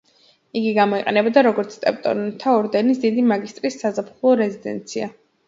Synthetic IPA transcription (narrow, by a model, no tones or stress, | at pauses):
iɡiɡamɔiqʼɛnɛbɔd̪aɾɔɡɔɾt̪sʰt̪ʼɛpʼt̪ʼɔ̰nt̪ʰaɔɾd̪ɛnisd̪id̪imaɡist̪ʼɾisːazapχulˠɔɾɛzid̪ɛ̰nt̪sʰia